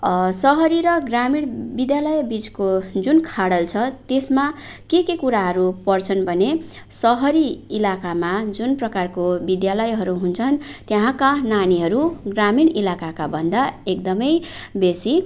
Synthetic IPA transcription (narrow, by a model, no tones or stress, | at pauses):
sʌɦʌɾiɾʌɡramiɽ̃bid̪jalʌjbit͡skod͡zunkʰaɽʌlt͡sʰʌt̪esma | kekekuɾaɦʌɾupʌrt͡sʰʌnbʱʌne | sʌɦʌɾiilakamad͡zunprʌkarkobid̪jalʌjɦʌɾuɦunt͡sʰʌnt̪jʌɦãkananiɦʌɾuɡramiɽilakakabʱʌnd̪aekd̪ʌmʌjbesi